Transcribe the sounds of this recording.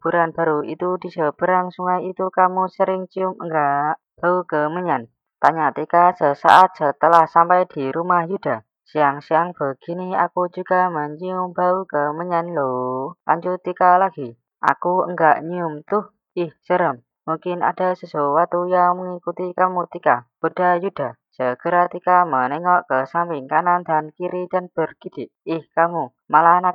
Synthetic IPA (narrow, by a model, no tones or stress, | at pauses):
b̥uɾanb̥a̤ɾuit̪ud̪̥isəb̥ə̤ɾaŋsuŋajit̪ukamusəɾɪŋt͡ʃiʊməŋɡaʔ | b̥aukəməɲan | t̪aɲat̪ikasəsa̰ʔat̪̚sət̪əlahsampajd̥iɾumahjud̥a̤ | siaŋsiaŋb̥aɡ̥inia̰kud͡ʒuɡ̥aməɲiʊmbaukəməɲanlola̰ɲd͡ʒut̪ikalaɡ̥i | ʔa̰kuə̰ŋɡaʔɲiʊmt̪ʊh | ɪhsəɾəm | muŋkɪna̰d̥a̤səsowat̪ujaŋməŋikut̪ikamut̪ikab̥od̥ajud̥a̤səɡ̥əɾat̪ikamənɛŋɔʔkəsampɪŋkanand̪ankiɾit͡ʃənb̥ərɡ̥id̪̥ɪʔɪhkamu | malanak̚